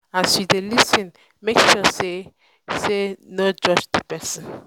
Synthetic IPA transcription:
asidelisĩn | mekʃɔse | senod͡ʒɔd͡ʒd̪əpɛsə̃n

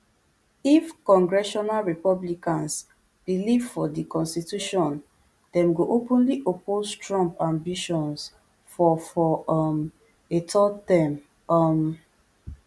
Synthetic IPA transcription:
ifkɔ̃ŋɡɹɛʃɔnalɹipɔblikãns | b̥ilivfɔdikɔ̃nstituʃɔ̃n | dɛ̃mɡoʔopũnliʔopoztɹɔ̃mpãmbiʃɔ̃ns | fɔfɔam | etɔtɛ̃m | am

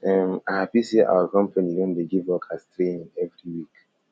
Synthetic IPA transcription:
ɛmahapisiʔa̰wəkɔ̃mpʰanidõndeɡivɔkʰastɾeĩŋɛvɾiwik

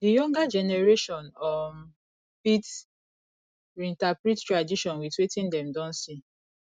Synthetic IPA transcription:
dijɔ̃ŋɡad͡ʒɛnɛɹeʃɔ̃nɔ | pit | ɾĩntapɾittɹadiʃɔ̃nwitwetĩndɛ̃mdɔ̃nsi

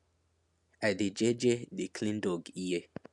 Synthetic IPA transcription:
aded͡ʒed͡ʒedekʰlĩndɔɡije

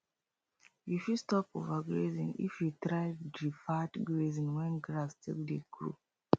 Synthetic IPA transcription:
jifustɔpo̰vaɡɹezḭ̃nḭfjutɹaɪdɹifatɡɹezĩnwɛ̃nɡɹastʰḛldeɡɹo̰

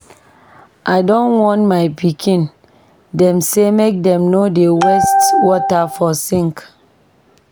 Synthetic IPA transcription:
ʔaɪdɔ̃nwɔ̃ntmaɪpikʰĩn | dɛ̃msemek̚dɛ̃mnodewɛstwɔtafɔsĩŋk

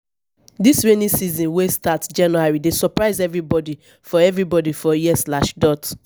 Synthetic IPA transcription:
disɹenĩsizɔ̃nwestatd͡ʒãnuaɹidesɔpɹaɪzɛvɹibɔdi | fɔɛvɹibɔdifɔjiɛslaʃdɔt

